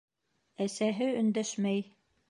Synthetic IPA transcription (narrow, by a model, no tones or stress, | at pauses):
æsæɦɘɵ̆nd̪æʃmæj